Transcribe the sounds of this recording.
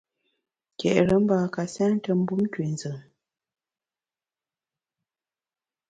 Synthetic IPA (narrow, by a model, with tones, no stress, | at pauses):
kɛ̰˨ʔɾə˨˦m̩˦baː˨ka˨sɛ˦n˦tə˦m̩˦bu˦m˦kwe˨n˦zə˨